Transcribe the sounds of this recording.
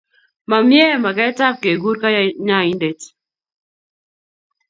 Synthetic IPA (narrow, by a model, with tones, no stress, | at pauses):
ma˨mjɛ˦˨ma˨ɡɛ˦ta˦p̚ke˨ɡu˦ɾka˦jɲa˦i˦nde˨t